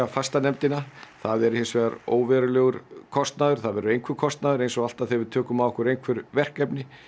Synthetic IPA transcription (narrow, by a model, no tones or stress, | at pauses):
afast̪anɛmt̪ɪnaθaðɛɾʏhɪnsvɛːɣaɾo̰ːwvɛɾʏlœːɣʏɾkʰɔst̪naðʏɾ̥θaðvɛɾʏejŋkʰvɪɾkʰɔst̪naðʏɾejnsɔɣal̥t̪aðθɛvɪðt̪ʰœːkʏmavɔhkʏɾejnŋkʰvɛɾvɛr̥kɛpnɪ